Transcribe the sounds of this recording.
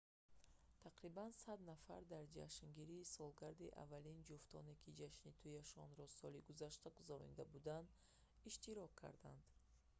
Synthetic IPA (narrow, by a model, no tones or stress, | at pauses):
t̪ʰaqɾibansad̪nafa̰ɾd̪aɾd͡ʒa̰ʃŋɡiɾiːsɔlˠɡaɾd̪iʔa̰vːalind͡ʒuft̪ʰɔ̰ne̞kʰid͡ʒaʃnit̪ʰujaʃɔnɾɔsɔliɡuzaʃt̪aɡuzaɾɔ̰nid̪abud̪and̪ | iʃt̪iɾɔkʰːa̰ɾd̪a̰nd̪